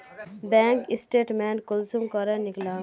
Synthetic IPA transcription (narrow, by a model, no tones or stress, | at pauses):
bɛŋkisʈeʈmenkolsumkʌɾɛnikla